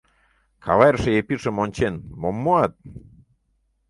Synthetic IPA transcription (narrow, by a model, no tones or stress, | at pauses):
kʰɑ̰βɑjrʃĕepiʃəmonʲt͡ɕenmomːoɑt̪̚